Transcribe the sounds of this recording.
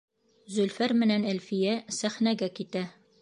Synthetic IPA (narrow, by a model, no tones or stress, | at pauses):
zɵ̆lfæɾmɘ̆nænælfijæsæχnæɡækit̪æ